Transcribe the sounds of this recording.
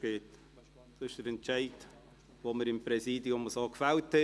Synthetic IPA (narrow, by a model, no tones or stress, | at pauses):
ɡ̥eːt | d̥ɑɪʃd̥əɾɛnt͡ʃæɪd | ʋoməɾɪmpɾɛsiːdiʊmɔsoːkfælthɛ